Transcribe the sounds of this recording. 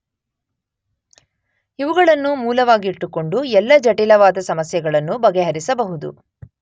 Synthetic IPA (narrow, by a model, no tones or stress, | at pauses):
iʋuɡɐɭɐnːumuːlɐʋaːɡiiʈːuko̞ɳɖuɛlːɐd͡ʒɐʈilɐʋaːd̪ɐsɐmɐsjɐɡɐɭɐnːubɐɡeɦɐɾisɐbɐɦud̪ṵ